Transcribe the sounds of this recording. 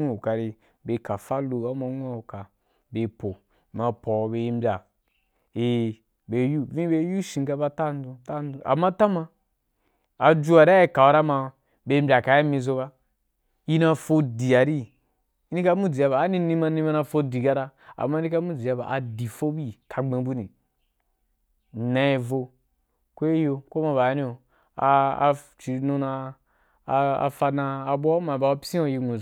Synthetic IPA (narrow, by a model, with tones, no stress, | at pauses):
u˦u˨ka˨ɾi˧ | be˨˧ka˨fa˦lu˧a˦ma˧˦ŋʷ˦a˦u˨ka˨ | be˨po˨ | ma˨pɔ˨be˧i˧˦mbʲa˨ | e˨ | be˨ju˦vĩ˦be˦˧˦ju˦ʃĩ˧ŋka˧ba˧ta˦˨n˦dũ˧ta˦˨n˦du˦ʔa̰˨ma˦ta˦ma˧ | a˨d͡ʒu˦a˨ɾa˦i˦ka˨wa˧ɾa˦ma˧ | be˨˧m̩˦bʲa˨ka˨˦i˦mĩ˧zo˧βa˦ | i˦na˧fo˧di˨a˨ɾi˦ | i˦i˦ka˦mu˦d͡zi˨ja˧baː˨˦ni˧ni˧ma˧ni˧ma˧˦na˧fo˧di˨ɡa˧ɾa˧a̰˨ma˦i˦i˦ka˦mu˦d͡zi˨a˧ba̰˨ʔa˨di˨fo˦bi˦tʰa˧ɡ͡bẽ˧bu˦nĩ˨ | nã˧i˧vo˧ | ko˦i˦jo˧ko˦ma˧ba˨˧˦ni˦o˨ | a˧t͡ʃi˨nu˧na˧ | a̰˨fa˧naː˧˨bʷo˦a˦ma˨ba˧˨o˦psĩ˦o˧˨ji˧ŋu˨